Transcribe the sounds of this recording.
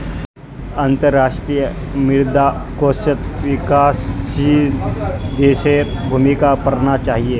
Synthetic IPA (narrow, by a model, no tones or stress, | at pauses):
ə̃nt̪əɾːaːʃʈɾijəmɪɾd̪akoːsət̪ʋɪkaːsi | d̪eːʃeɾbʱumikapɐɾnat͡ʃaːɦie